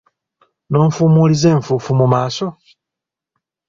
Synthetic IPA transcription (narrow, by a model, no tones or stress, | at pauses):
no̞ːɱfuːmuːlize̞ːɱfuːfumumaːso̞